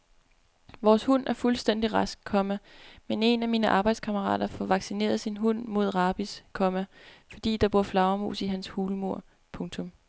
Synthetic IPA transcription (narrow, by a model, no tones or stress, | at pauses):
ʋɒːshun̰æɐfulsd̥en̰d̥iʁɑsɡ̥̚kʰɒ̽mæmene̝næmiːnəʔɑ̈ːb̥ɑ̈ɪd̥skʰɑməʁɑ̰̈ːd̥ɐfɒʋɑ̈ɡ̥sine̝̰ːɐð̞ˠsinɦɔn̰mo̝ð̞̰ˠʁɑ̈ːb̥iskʰɒ̽mæfɒ̽d̥ḭːd̥ɑ̈b̥uɐ̰flɑ̈ʊɐmu̝̰ːsiɦænshuːləmo̝ɐ̰ | pʰɔ̽ŋt͡sʰɔ̽m